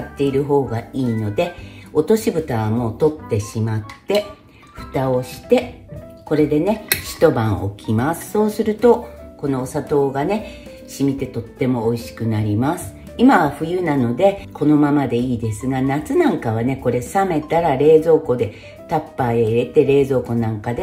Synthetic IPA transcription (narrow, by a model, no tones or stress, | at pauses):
at̪ːe̞iɾɯ̟ɦo̞ːɡaiːno̞d̪e̞o̞t̪o̞ɕibɯ̟t̪aβamo̞ːt̪o̞t̪ːe̞ɕimat̪ːe̞ | ɸɯ̟̥t̪ao̞ɕi̥t̪e̞ko̞ɾe̞d̪e̞ne̞ɕi̥t̪o̞bãɰ̃o̞̰kʲʰimasɨ̥so̞ːsɨɾɯ̟t̪o̞ko̞no̞ːsat̪o̞ːɡane̞ | ɕimʲit̪e̞t̪o̞t̪ːe̞mo̞ːiɕi̥kɯ̟naɾʲimasɨ̥ | imaβaɸɯ̟jɯ̟nano̞d̪e̞ko̞no̞mamad̪e̞iːd̪e̞sɨɡanat͡sɨnãŋkaβ̞ane̞ko̞ɾe̞same̞t̪aɾaɾe̞ːzo̞ːko̞d̪e̞ | t̪apːaeiɾe̞t̪e̞ɾe̞ːzo̞ːko̞nãŋkad̪e̞